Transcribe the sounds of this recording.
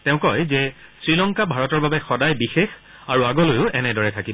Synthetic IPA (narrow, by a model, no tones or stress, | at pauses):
tɛʊ̃kɔjzɛsɹilɔŋkabʱaɹɔtɔɹbabɛxɔdajbixex | aɹuaɡɔlojʊʔɛnɛdɔɹɛtʰakibɔ